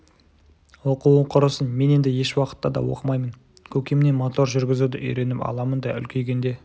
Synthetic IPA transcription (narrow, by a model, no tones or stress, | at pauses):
wo̞quwəɴqʰʊɾəsənme̞ne̞nd̪ɪje̞ʃwɑqə̥t̪ːɑd̪ɑ̰wo̰qəmɑjmən | kʲʰɵkʲemnemot̪o̞ɾʒʏɾɡʲɪzud̪ɪʔʏjɾe̞nɪpɑ̰lˠɑmənd̪ɑʏ̰lkʲʰe̞jɡʲe̞nd̪e̞